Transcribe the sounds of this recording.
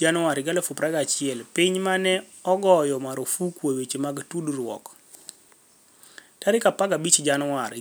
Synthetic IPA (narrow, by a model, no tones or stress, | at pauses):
d͡ʒanwaɾɪɡalafupɾaɡat͡ʃɪɛlpɪɲmanɛ | ɔɡɔjɔmaɾofukwowet͡ʃemaɡtuduɾwɔ̰k | taɾɪkapaɡabit͡ʃd͡ʒanwaɾ